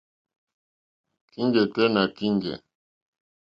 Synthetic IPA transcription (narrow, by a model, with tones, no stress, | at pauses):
ki˦ŋɡɛ˨tɛ˦na˨ki˦ŋɡɛ̰˨